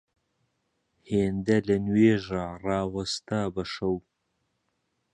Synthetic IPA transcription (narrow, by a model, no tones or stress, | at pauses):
heːnd̪ɐlɐnweːʒarɑːwɐst̪abɐʃɐw